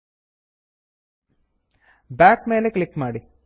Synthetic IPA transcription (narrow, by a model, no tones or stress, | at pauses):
baːkmeːlekɭikːmaːɽi